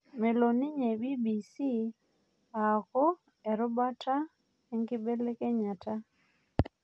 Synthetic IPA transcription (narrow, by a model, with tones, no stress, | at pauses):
me˨lo˨ni˦ɲe˨bi˦bi˨si˦ | a˨kɔ˦ | ɛ˨ɾɔ˦ba˦tʰa˦ | ɛ˦ŋkɪ˦be˦le˦kɛ˦ɲa˨ta˦